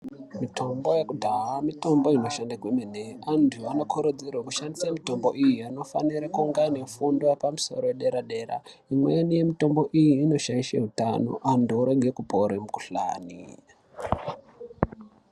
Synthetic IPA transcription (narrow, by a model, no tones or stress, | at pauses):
mito̞mbo̞jekudʱaɦamito̞mbo̞ino̞ʃandakwemeneantʰuano̞kʰoɾod͡zerwakuʃandisamito̞mboʔijiano̞fa̰niɾakuŋɡane̞fundwapamuso̞̰ɾojeɗe̞ɾaɗe̞ɾa̰ | imwenije̞mito̞mbo̞ʔijiːno̞ʃaiʃḛɦutano̞̰ʔandouɾe̞ɡʱe̞kupoɾemuku̥ɬa̰ːnḭ